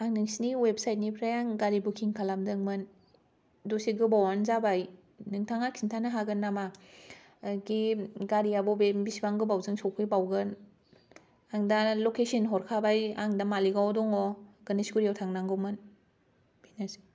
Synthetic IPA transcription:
aŋnɯŋsiniweb̚sajt̚nipʰɾajaŋɡaɾibukʰiŋkʰalamdɯŋmɯn | dosiɡɯbawanzabaj | nɯŋtʰaŋakʰintʰanaɦaɡɯnːama | ɡiɡaɾijabɔbebisibaŋɡɯbawzɯŋsɔpʰɯjbawɡɯn | aŋdalokesinɦɔɾkʰabajaŋdamaliɡawdɔŋɔɡ̥ɯnisɡuɾijawtʰaŋnaŋɡɔmɯn | binasi̥

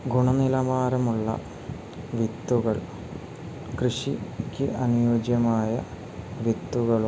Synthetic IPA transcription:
ɡʱuɳɐnilɐmaːɾɐmuɭːɐ̰ | ʋit̪ːuɣɐɭ | krɨʂikʲːɨʔɐnujoːd͡ʑjɐmaːjɐ̰ | ʋit̪ːuɣɐɭ

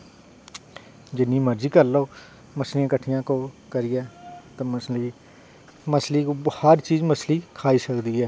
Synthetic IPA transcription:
d͡ʒɪnːiːməɾd͡ʒiːkəɾloː | məsliːãːkəʈʰːijãːkoːkəɾiːɛːt̪aməsliː | məsliːkobhaːɾt͡ʃiːzməsliːkʰaːiːsəkd̪iːɛː

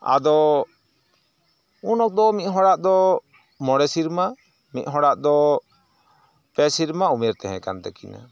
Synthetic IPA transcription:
a̰d̪ɔ | unɔk̚d̪ɔmit̪ɦɔɽaʔd̪ɔ | mɔɽɛsiɾma | mit̪̚ɦɔɽaʔd̪ɔ | pɛsiɾmaumɛɾt̪ɛɦɛ̰̃kant̪ɛkina̰

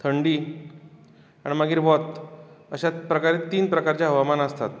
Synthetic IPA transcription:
t̪ʰəɳɖi | aɽ̃iməɡiːɾʋɔt̪əɕapɾəkaɾet̪ːiːnpɾəkaɾt͡ɕjaɦəʋamanəst̪at̪̚

